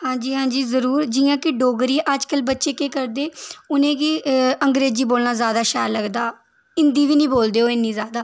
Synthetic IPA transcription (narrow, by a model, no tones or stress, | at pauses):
hãːɲd͡ʒiːɦãːɲd͡ʒiːzəɾuːɾd͡ʒɪjãːkɪɖoːɡɾiːʔəd͡ʒkəlbətːʃeːkeːkəɾd̪eːʊnẽːkiːəŋɡɾeːziːboːlnãːzjaːd̪aːʃɛːɾləɡd̪aː | ɪnd̪iːʋiːnĩːboːld̪eːoːɪnːĩːzjaːd̪aː